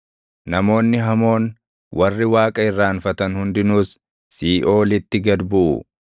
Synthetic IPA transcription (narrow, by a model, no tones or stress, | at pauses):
nɐmo̞ːnːɪɦɐmo̞ːn | wʔɐrːɪwaːkʼɐɪrːaːnfɐt̪ɐnhʊnd̪ɪnuːsː | iːʔo̞ːlɪt̪ːɪɡɐd̪bʊʔʊ̰